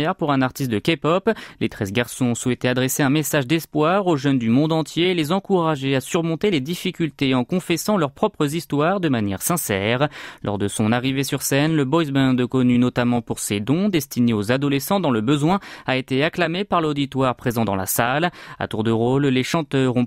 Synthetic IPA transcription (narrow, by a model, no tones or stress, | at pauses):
ɛʁpuʁɛ̃naʁt̪ist̪̚d̪əkʲepɔplet̪χɛzɡaʁsɔ̃ɔ̃swɛt̪ead̪ʁɛseɛ̃mesaʒd̪ɛspwaʁoʒœnd̪ymɔ̃d̪ɑ̃t̪jeːlezɑ̃kuʁaʒeasyʁmɔ̃t̪eled̪ifikʲylt̪eɑ̃kɔ̃fɛsɑ̃lœʁpχɔpχəzist̪waʁd̪əmanjɛ̰ʁsɛ̃sɛːʁlʔɔ̰ʁd̪əsɔ̃naʁivesyʁsɛnləbɔzbɛ̃d̪kɔnynɔt̪amɑ̃puʁsed̪ɔ̃d̪ɛst̪ineozad̪ɔlɛsɑ̃d̪ɑ̃ləbəzwɛ̃aet̪eaklamepaʁlod̪it̪waʁpχezɑ̃d̪ɑ̃la̰sala̰t̪uʁd̪əʁolːeʃɑ̃t̪œʁɔ̃